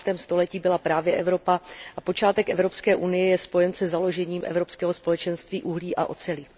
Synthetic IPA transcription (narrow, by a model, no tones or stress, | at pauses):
st̪ɛːmst̪o̞lɛciːbɪlapɾaːvjɛʔɛvɾo̞paʔapo̞t͡ʃaːt̪ɛkʔɛvɾo̞pskɛːʔunɪjɛjɛspo̞jɛnsɛzalo̞ʒɛɲiːmʔɛ̰vɾo̞pskɛːɦo̞spo̞lɛt͡ʃɛnst̪viːʔuɦliːʔa̰ʔo̞̰t͡sɛlɪ